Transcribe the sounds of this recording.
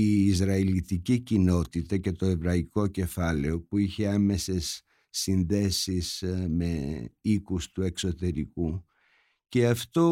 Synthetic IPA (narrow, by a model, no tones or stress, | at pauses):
iːzɾɐilit̪icicino̞t̪it̪ɐce̞t̪o̞e̞vɾɐiko̞ce̞fɐle̞o̞puiçe̞ɐme̞se̞sː | inðe̞sisme̞ikust̪ue̞kso̞t̪e̞ɾiku | ce̞ɐft̪o̞